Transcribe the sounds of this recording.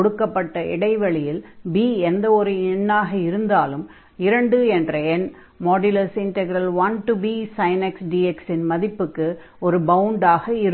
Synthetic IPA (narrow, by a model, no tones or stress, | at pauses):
ɽɯkːɐpːɐʈːɐʔɪ̰ɽɐɪʋɐɭɪjɪlbiːɛnd̪ɐɔɾɯɪɳːaːɣɐɪɾɯnd̪aːlɯm | ɪɾɐɳɖɯɛndrɐɛn | mɔːɖɪlɐsɪɳʈɛɡɪɾɐlʋɐnʈubiːsɐɪnɛksɖiːɛksɪnmɐðɪpːɯkːɯ | ɔɾɯbɐʊɳɖaːɣɐɪɾ